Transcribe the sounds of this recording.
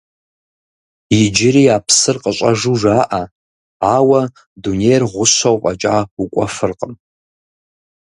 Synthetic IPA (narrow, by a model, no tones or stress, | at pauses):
id͡ʒɪɾiapʰsɨrqʼəɕʷʼaʐuʐaːʔa | awa | dunejrʁʷʊsʷawpʼat͡ʃʼaukʷʼafɨrqʼəm